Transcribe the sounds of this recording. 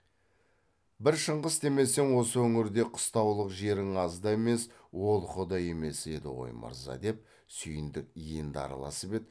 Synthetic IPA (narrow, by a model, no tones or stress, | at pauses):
bɪɾʃəɴʁəst̪e̞me̞se̞nwo̞səwɵŋɪɾd̪e̞qʰʊ̥st̪ɑwlˠəqʒe̞ɾɪŋɑzd̪ɑeme̞s | wo̞lˠχʊd̪ɑje̞me̞se̞d̪ɪ̰wo̰jmə̰ɾzɑ̰d̪e̞p̚ | sʏjɪnd̪ɪk̚ijɪnd̪ɑ̰ɾɑ̰lˠɑ̰səpe̞d̪